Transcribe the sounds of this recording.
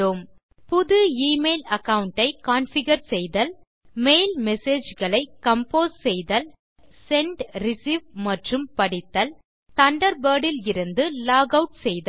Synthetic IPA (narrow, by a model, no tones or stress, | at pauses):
oːm | pʊðɯiːmeːlɐkɐwɳʈɐɪkaːnfɪɣɐɾsɛjðɐl | mejlmɛseːd͡ʒɣɐɭɐɪkːɐmpoːssɛjðɐl | sɛɳɖɾɪsiːʋmɐʈrɯmpɐɽɪt̪ːɐl | t̪ɐɳɖɐɾbɐːɽɪlɪɾɯnd̪ɯlaːɣɐʊʈsɛjðɐ